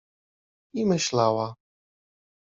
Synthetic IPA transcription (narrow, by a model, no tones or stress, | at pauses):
imɘɕlawa